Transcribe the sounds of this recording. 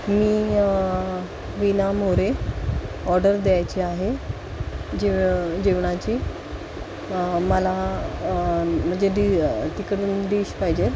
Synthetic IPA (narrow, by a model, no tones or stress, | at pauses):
miː | ʋinamoɾe | ɔɾɖəɾd̪eajt͡ɕiaɦe | d͡ʑeʋd͡ʑeʋɳat͡ɕi | məla | m̤əɳd͡ʑeɖit̪ikəɽuːnɖiːɕpaɦid͡ʑe